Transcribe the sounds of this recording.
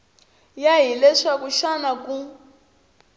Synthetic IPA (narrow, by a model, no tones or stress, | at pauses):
jaɦilɛʂakuʃanaku